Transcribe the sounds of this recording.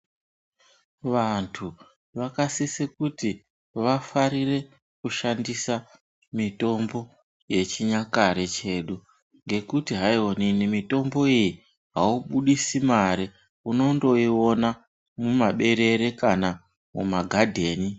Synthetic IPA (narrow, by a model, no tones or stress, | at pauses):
ʋantʰu | ʋakasisikuti | ʋafaɾire̞ | kuʃandisa | mito̞mbo̞ | je̞t͡ʃiɲakaɾe̞t͡ʃe̞ɗu | ŋɡe̞kutiɦaioninimito̞mbo̞iji | ɦauɓuɗisimaɾi | uno̞ndo̞io̞na | mumaɓe̞ɾe̞ɾe̞kana | mṵmaɡʱadʱe̞ːni